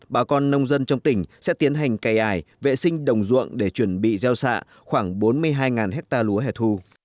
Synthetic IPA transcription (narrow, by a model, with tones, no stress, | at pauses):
ɓaː˨˩kɔ˧nːə˧wŋ͡mzə˧nt͡ɕɔ˧wŋ͡mt̪ï˧˩ŋ̟sɛ̰˧˥t̪i˨˦ənɦa˨˩jŋ̟ka˨˩jʔaː˧˩jvḛ˧˨sï˧ŋ̟ɗə˨˩wŋ͡mzṵ˧˨ənɗe˧˩t͡ɕwə˧˩nɓḭ˧˨zɛ˧wsa̰ː˧˨ | xwaː˧˩ŋɓo˨˦nmɨ˧əjɦaː˧jŋaː˨˩nɦɛ˦˥k̚t̪aː˧lu˨˦əɦɛ˧˩t̪ʰu˧